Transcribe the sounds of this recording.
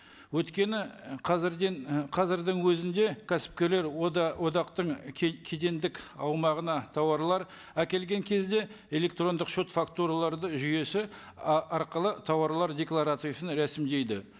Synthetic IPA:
wɵt̪kʲe̞nɪqʰɑzɾd̪qʰɑzɪɾd̪əŋwɵzɪnd̪e̞kʲʰæsɪ̥p̚kʲe̞le̞ɾwo̞d̪ɑqt̪əɴkʲʰed̪e̞nd̪ɪkɑwmɑʁənɑt̪ʰɑwɑɾlˠɑɾ | ækʲe̞lɡʲe̞ŋkʲʰe̞zd̪e̞ | e̞lʲe̞k̚t̪ro̞nd̪əqʃot̪fakt̪uɾalˠɑɾd̪əʒʏje̞sɪ | ɑɾqəlˠət̪ʰɑwɑɾlˠɑɾd̪ʲe̞klˠaɾat̪sɨjasənɾæsɪmd̪e̞jd̪ɪ

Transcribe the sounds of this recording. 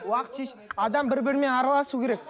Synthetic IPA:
wɑqt̪ʃe̞ʃ | ɑd̪ɑmbɪɾbɪɾɪme̞nɑɾɑlˠɑsukʲʰe̞ɾe̞k̚

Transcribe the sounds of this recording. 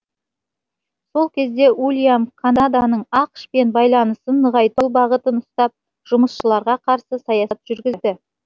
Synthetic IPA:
so̞lˠkʲʰe̞zd̪e̞ʔulʲijamkʰanad̪anəɴɑqʃpe̞nbɑjlˠɑnəsənːəʁɑjt̪əw̪ˠbɑʁət̪ənʊst̪ɑp̚ | ʒ̥ʊməsʃəlˠɑɾʁɑqʰɑɾsəsɑjɑɑt̪ʒ̥ʏɾɡʲɪd̪ɪ

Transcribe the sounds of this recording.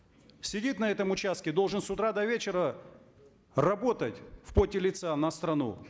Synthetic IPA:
sʲɪdʲit̪nɐɛt̪əmʊt͡ɕast̪̚kʲɪd̪o̞lˠʐɨnsʊt̪ɾad̪ɐvʲet͡ɕɪɾə | rɐbo̞t̪ətʲfpotʲɪlʲɪt̪sanɐst̪ɾɐnṵ

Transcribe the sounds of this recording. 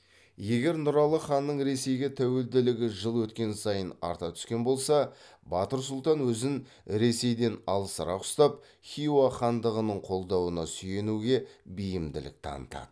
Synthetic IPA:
je̞ɡʲe̞ɾnʊɾɑlˠəχɑnːəɴɾe̞se̞jɡʲe̞t̪ʰæwe̞ld̪ɪlɪɡʲɪʒəlˠwɵt̪kʲe̞nsɑjənɑ̰ɾt̪ɑt̪ʰʏ̥skʲe̞nbo̞lˠsɑ | bɑt̪əɾsʊlˠt̪ɑnwɵzɪn | ɾe̞se̞jd̪e̞nɑlˠəsəɾɑ̰qʊ̥st̪ɑp̚ | χʲijuwaχɑnd̪əʁənəɴqʰo̞lˠd̪ɑwənɑsʏje̞nuɡʲe̞bijɪmd̪ɪ̰lɪ̰k̚t̪ʰɑ̰nət̪ɑ̰d̪ə

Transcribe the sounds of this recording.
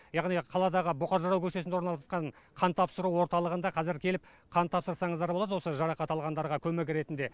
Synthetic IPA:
jɑʁnijqʰɑlˠɑd̪ɑʁəboqɑɾʒɑɾɑwkʲʰɵʃesneɾnɑlˠɑt̪qɑɴqʰɑnt̪ʰɑpsəɾuwo̞ɾt̪ɑlˠəʁənd̪ɑqʰɑzɪɾkʲʰe̞lɪp̚ | qʰɑnt̪ʰɑpsəɾsɑɴəzd̪ɑɾbolˠɑd̪wosəʒɑɾɑqɑt̪ɑlˠʁɑnd̪ɑɾʁɑkʲʰɵmɪkʲɾe̞t̪ɪnd̪e̞

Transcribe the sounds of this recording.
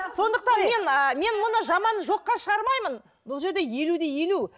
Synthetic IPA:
so̞nd̪əq̚t̪ɑnme̞nəme̞nmʊnəʒɑmɑnʒo̞qːɑʃəʁɑɾmɑjmən | bʊlˠʒe̞ɾd̪e̞je̞lud̪e̞je̞lu

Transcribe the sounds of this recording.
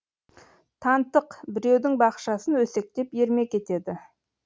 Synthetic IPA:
t̪ʰɑnt̪əqbɪɾe̞wd̪ɪŋbɑqʃɑsənwɵse̞k̚t̪e̞pje̞ɾme̞kʲe̞t̪e̞d̪ɪ

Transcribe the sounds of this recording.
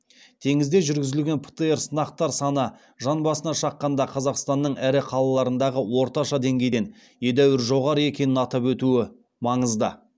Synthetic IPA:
t̪ʰe̞ŋɪzd̪e̞ʒʏɾɡʲɪzɪlɡʲe̞npʰə̥t̪əe̞ɾsənɑq̚t̪ɑɾsɑnə | ʒɑnbɑsənɑʃɑqːɑnd̪ɑqʰɑzɑqst̪ɑnːəɴæɾɪqʰɑlˠɑlˠɑɾənd̪ɑʁəwo̞ɾt̪ɑʃɑd̪e̞ŋɡʲe̞jd̪en | je̞d̪æwɪɾʒo̞ʁɑɾəe̞kʲe̞nɪnɑt̪ɑpwɵt̪uɪ | mɑɴəzd̪ə

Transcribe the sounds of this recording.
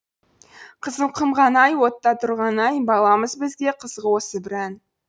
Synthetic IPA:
qʰəzəɴqʰəmʁɑnɑjwo̞t̪ːɑt̪ʰʊɾʁɑnɑjbɑlˠɑməzbɪzɡʲe̞qʰəzʁəwo̞səbɪɾæn

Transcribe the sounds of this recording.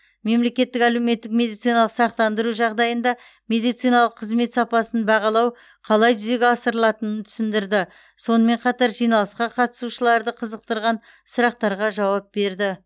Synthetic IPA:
me̞mlekʲe̞t̪ːɪkælewme̞t̪ːɪk̚mʲe̞d̪ijt̪sijnɑlˠəqsɑqt̪ɑnd̪əɾuʒɑʁd̪ɑjənd̪ɑ | me̞d̪ijt̪sijnɑlˠəqʰːəzme̞t̪sɑpɑsənbɑʁɑlˠɑw | qʰɑlˠɑjt̪ʏze̞ɡʲeɑsəɾəlˠɑt̪ənənt̪ʰʏ̥sɪnd̪ɪɾd̪ɪ | so̞nəme̞ɴqʰɑt̪ɑɾʒijnɑlˠəsqɑqʰɑt̪ə̥suʃəlˠɑɾd̪əqʰəzəq̚t̪əɾʁɑn | sʊɾɑq̚t̪ɑɾʁɑʒɑwɑp̚be̞ɾd̪ɪ

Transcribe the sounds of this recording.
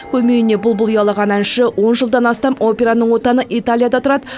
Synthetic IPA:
kʲʰɵme̞jɪne̞bʊlˠbʊlˠujɑlˠɑʁɑnænʃəwo̞nʒəlˠd̪ɑnɑst̪ɑmo̞pʲe̞ɾanəɴwo̞t̪ɑnəʔit̪alʲˠijad̪ɑt̪ʰʊɾɑd̪ə

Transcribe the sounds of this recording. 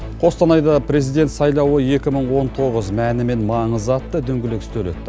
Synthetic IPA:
qʰo̞st̪ɑnɑjd̪ɑpʰre̞zijd̪e̞nt̪sɑjlˠɑwəje̞kʲɪməɴwo̞nt̪ʰo̞ʁəzmænɪme̞nmɑɴəzɑt̪ːəd̪ʏŋɡʲɪlɪkɪ̥st̪ɵlḛt̪ːɪ

